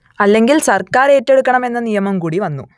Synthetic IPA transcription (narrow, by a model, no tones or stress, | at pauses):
ɐlːe̞ŋɡilsɐrkaːɾeːtːe̞ɽukːɐɳɐme̞nːɐnijɐmɐmkuːɽiʋɐnːṵ